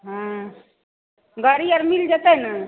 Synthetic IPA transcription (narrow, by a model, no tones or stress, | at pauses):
ɦã | ɡəɾiaɾmild͡ʒat̪ana